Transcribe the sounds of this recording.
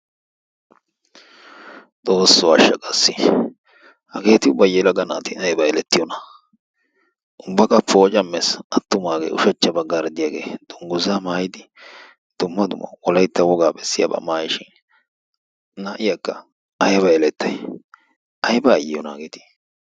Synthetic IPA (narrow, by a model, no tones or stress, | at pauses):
d̪o̞ːsːɔɐʃːɐkʼɐsːɪ | hɐɡe̞ːt̪ɪʊbɐjɛlɐɡɐna̰ːt̪ɪnɐjbɐɛlɛt̪ːɪjɔnɐ | ʔʊbːɐkʼɐpːoːt͡ʃʼɐmːesɐt̪ːʊmaːɡḛːʊ̰ʃɐt͡ʃːɐbɐɡɐɾd̪ɪjaːɡḛːd̪̥ʊŋɡʊzamaːjɪd̪ɪ | d̪̥ʊmːɐd̪ʊmɐ̰wɔlɐjt̪ːɐwɔɡaːbɛsːɪjɐ̰bɐ̰maːjɪʃɪn | naʔɪjɐkːɐ | ɐjbɐjɛlɛt̪ːɐj | ʔɐjbɐːjɪjɔna̰ːɡeːt̪ɪ̥